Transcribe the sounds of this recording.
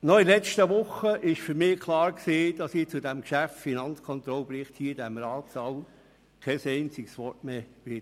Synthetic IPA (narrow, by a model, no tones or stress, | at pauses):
nɔilɛt͡stəʋʊχəʔɪʃfyɾmɪːkʰlˠɑːɾksiːd̥ɑsiːt͡sʊdæmkʃæffinɑnt͡skʰɔnt̪ɾɔlbɾɪχthiːdæmɾɑːtsɑw | kʰɛsɛɪnt͡siksʋɔrtmeːʋɪt